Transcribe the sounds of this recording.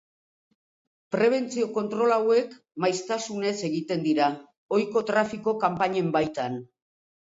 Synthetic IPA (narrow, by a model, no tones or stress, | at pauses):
pɾe̞β̞e̞nt͡sioko̞nt̪ɾo̞lawe̞k | majst̪asune̞se̞ɣit̪e̞nd̪iɾa | o̞jko̞t̪ɾafiko̞kampaɲe̞mbajt̪an